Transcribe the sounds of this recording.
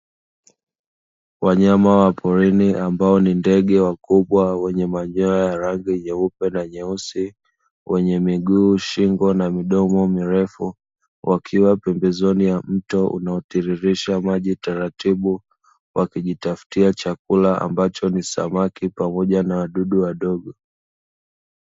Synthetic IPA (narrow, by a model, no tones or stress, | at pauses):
waɲamawapʰɔɾiniʔambaɔnindɛɠɛwakuɓwawɛɲɛmaɲɔajaɾaŋɡiɲɛupɛnaɲɛusi | wɛɲɛmiɠuːʃiŋɡɔnamiɗɔmɔmiɾɛfu | wʔakʰiwapɛmbɛzɔnijam̩tɔʔṵnaɔtiɾiɾiʃamaʄitaɾatiɓu | wʔakiʄitaftiat͡ʃakulaa̰mbat͡ʃɔnisa̰makipamɔʄanawaɗuɗuwaɗɔɡɔ